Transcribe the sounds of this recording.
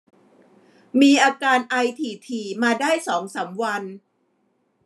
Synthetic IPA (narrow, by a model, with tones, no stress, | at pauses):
miː˧ʔaː˧kaː˧nʔa˧jt̪ʰiː˨˩t̪ʰiː˨˧˩maː˧daː˥˩jsɔː˩˦ŋsaː˩˦mwa˧n